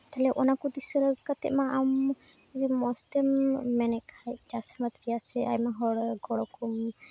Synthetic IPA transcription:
t̪aɦlɛʔɔnakud̪isɔɾəkat̪ɛ̰ʔmaʔam | d͡ʒimɔst̪ɛmːɛnɛkajd͡ʒasamat̪ɾijasɛa̰jmaɦɔɽɡɔɽɔkum

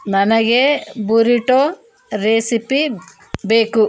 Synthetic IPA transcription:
nɐnɐɡebuɾiʈo | ɾeːsipi | beːku

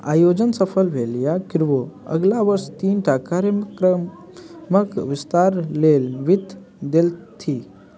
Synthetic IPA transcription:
a̰jod͡ʑənsəfʰəlʋeljakiɾʋoə̰ɡlaʋəɾst̪iːnʈʰakaɾjəkɾə | məkʋist̪aɾlelʋit̪ | d̪elt̪ʰi

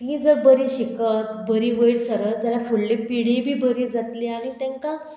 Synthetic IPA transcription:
t̪iːd͡zəɾbəɾiːɕikət̪bəɾiːʋəiɭsəɾəsd͡ʑjalafuɽlepiɽibʱiːbəɾiːd͡zat̪liːaɽ̃it̪ɛ̃ŋka

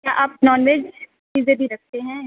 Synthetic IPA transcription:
kjaːʔaːpnɔːnʋeːd͡ʒ | t͡ʃiːzebʱiɾɐk̚ʰt̪eɦɛ̃

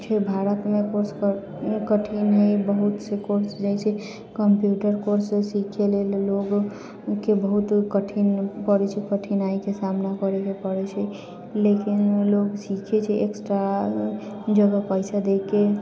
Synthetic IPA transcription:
t͡ʃʰɛbʱaɾət̪mekoɾsk | kəʈʰinɦəjbəɦut̪sekoɾsd͡ʒajt͡ʃʰɛ | kəmpjuʈəɾkoɾsesikʰelelloɡ | kebəɦut̪kəʈʰinpəɽɛt͡ʃʰɛkəʈʰinaikesamnakəɾekepəɽɛt͡ʃʰɛ | lekinloɡsikʰet͡ʃʰɛʔeksʈɾa | d͡ʒəɡəpəɪsad̪ekːe

